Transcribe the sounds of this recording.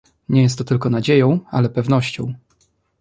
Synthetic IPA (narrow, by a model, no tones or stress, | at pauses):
ɲɛjɛst̪ːɔt̪ɘlkɔnad͡ʑejɔ̃w̃a̰lɛpɛvn̪ɔɕt͡ɕɔ̃w̃